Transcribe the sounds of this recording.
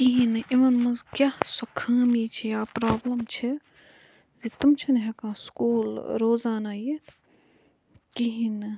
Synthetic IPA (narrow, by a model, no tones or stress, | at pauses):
kiɦinɨʔimɐnmɐzkʲasokʰaːmiːt͡ʃʰijaːpɾaːblɐmt͡ʃʰi | zit̪ɐmt͡ʃʰɐnɦekãːskuːlɾoːzaːnaːjit̪ʰ | kiɦinɨ